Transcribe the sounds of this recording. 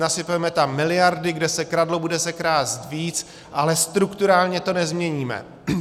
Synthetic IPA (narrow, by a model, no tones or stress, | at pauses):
nasɪpɛmɛt̪amːɪlɪjaɾdɪɡdɛsɛkɾadlobudɛsɛkɾaːzt̪viːt͡s | ʔalɛst̪ɾukt̪uɾaːlɲɛt̪o̞nɛzmɲɛɲiːmɛ̰